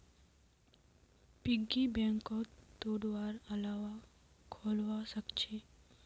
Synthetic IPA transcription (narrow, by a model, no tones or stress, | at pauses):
pɪɡibɛ̃ŋkot̪oːɽʋaːɾəlaːʋa | kʰoːlʋasəkt͡ʃʰe